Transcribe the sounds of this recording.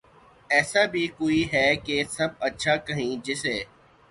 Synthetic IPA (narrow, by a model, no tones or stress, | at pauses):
ɛːsabʱikoːiɦɛkesɐbɐtːʃʰakɐɦĩd͡ʒɪseː